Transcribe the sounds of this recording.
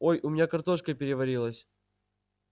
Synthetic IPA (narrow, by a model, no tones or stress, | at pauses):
ojʔʊmʲɪnʲakɐrt̪o̞ʂkəpʲɪɾʲɪvɐɾʲilˠəsʲ